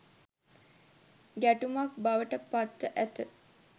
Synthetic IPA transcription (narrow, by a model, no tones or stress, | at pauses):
ɡæʈumak̚baʋəʈəpat̪ːəʔæt̪ə